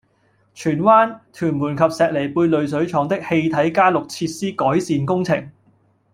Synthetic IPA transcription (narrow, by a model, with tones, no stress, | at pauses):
t͡ʃʰyː˨˩nwaː˥nt̪ʰyː˨˩nmuː˨˩nkʰɐ˨p̚sɛː˨k̚le˨˩jpuː˧jlɵ˨ɥs̬ɵ˨˥ɥt͡ʃʰɔː˨˥ŋt̪ɪ˥k̚he˧jt̪ʰɐ˨˥jkaː˥lʊ˨k̚t͡sʰiː˧t̚siː˥kɔː˨˥jsiː˨nkʊ˥ŋt͡sʰɪ˨˩ŋ